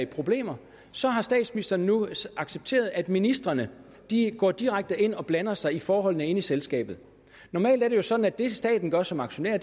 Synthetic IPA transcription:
ipʰʁo̝b̥le̝̰ːmɐ | sɒ̽ɦɑ̈sd̥ɛ̰ːd̥sminisd̥ɐːnːuɑ̈ɡ̥seb̥̚t͡sʰe̝̰ːɐð̞ˠæd̥minisd̥ʁɐnə | d̥iɡ̥ɒ̰ːd̥iʁaɡ̥̚d̥əʔe̝n̰ɒ̽b̥lænɐsɑ̈ɪifɒːɦɒ̽l̰nəe̝n̰iselsɡ̥ɛ̰ːb̥ð̩ˠ | nɒmɛ̰ːld̥æɐɾ̥ejo̝sɒ̽d̥n̩æd̥e̝sd̥ɛ̰ːd̥n̩ɡ̥ɶɐsɒ̽mɑ̈ɡ̥ɕo̝nḛɐ̰̥

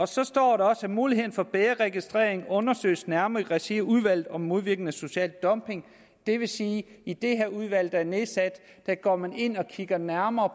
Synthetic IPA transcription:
ɒ̽sɒ̽sd̥ɒ̰ːɾɑɒ̽sæmuːliɦe̝ð̰ˠn̩fɒ̽b̥eːɐʁɛɡ̥isd̥ʁḛːɐ̰eŋɔ̽nɐsø̰ɪsnæɐmʁɛsiuðˠʋæl̰ð̩ˠɒ̽mːo̝ð̞ˠʋiɐɡ̥n̩æso̝ɕɛ̰ːld̥ːɒ̽mb̥e̝ŋ | d̥e̝ʋe̝siː | id̥e̝ɦeɐ̰uðˠʋæl̰d̥ɑæɐneðˠsæd̥ːæɡ̥ɒ̰ːmæne̝n̰ɒ̽kʰiɡ̥ɐnæɐmɐː

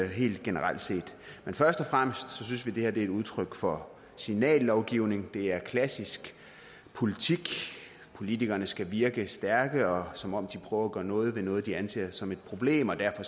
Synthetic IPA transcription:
ɦe̝̰ːld̥ɡ̥e̝nəʁal̰d̥se̝̰ːd̥menfɶɐsd̥ɒ̽fʁam̰əsd̥sɒ̽s̬ynsʋid̥e̝heɐd̥e̝æɪd̥uð̞ˠt͡sʰʁœɡ̥fɒ̽ | sinɛ̰ːlːɒʊɡ̥iʊne̝ŋd̥e̝æɐkʰlæsisɡ̥ | pʰo̝lit͡sʰiɡ̥ | pʰo̝lit͡sʰiɡ̥ɐnəsɡ̥æʋiɐɡ̥əsd̥æɐɡ̥əɒ̽sɒ̽mɒ̽m̰d̥ipʰʁ̥œːʊɐɒɡ̥ɶːɐnɔ̽ːð̞̩ˠʋe̝nɔ̽ːð̞̩ˠd̥iænse̝̰ɐsɒ̽me̝d̥̚pʰʁo̝b̥le̝̰ːmɒ̽d̥æɐfɒ̽

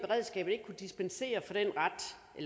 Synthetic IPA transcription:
b̥e̝ʁɛð̰ˠsɡ̥ɛ̰ːb̥ð̩ˠe̝ɡ̥̚kʰud̥isb̥ense̝̰ːɐfɒ̽d̥en̰ʁɑd̥ | ʔel

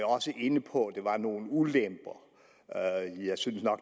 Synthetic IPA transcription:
ɒ̽səʔe̝nəpʰɒ̽d̥e̝ʋɑ̈no̝ːn̩ulemb̥ɐ | jɑ̈ɪsynəsnɒ̽ɡ̥

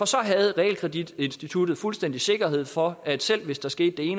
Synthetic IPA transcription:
ɒ̽sɒ̽ɦæð̞̩ˠʁɛɛ̰ːlkʰʁɛd̥id̥e̝nsd̥it͡sʰud̥ð̩ˠfulsd̥en̰d̥ise̝ɡ̥ɐhe̝ð̞̰ˠfɒ̽æd̥sel̰ʋe̝sd̥ɑ̈sɡ̥e̝̰ːd̥ːe̝e̝ːn

